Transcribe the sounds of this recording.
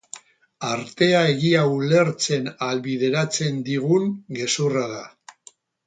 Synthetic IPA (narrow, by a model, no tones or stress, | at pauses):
aɾt̪e̞ae̞ɣiaule̞ɾt͡se̞nalβiðe̞ɾat͡se̞nd̪iɣ̞uŋɡe̞suraða